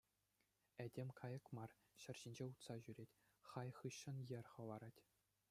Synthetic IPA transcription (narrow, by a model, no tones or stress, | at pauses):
ædʲemʲkʰɑjɤ̆kmɑr | ɕɘ̆rʲʑinʲd͡ʑeut̪sɑʑyɾʲetʲ | χɑjχɯɕːɤ̆njɘ̆rʲχɤ̆lˠɑɾɑtʲ